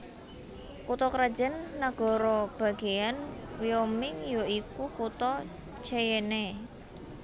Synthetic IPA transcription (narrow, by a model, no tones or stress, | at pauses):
kut̪ɔkɾad̥d͡ʒ̥ə̤nːaɡ̥ɔ̤ɾɔb̥a̤ɡ̥ejanwijɔmɪŋjoikukut̪ɔ | t͡ʃejene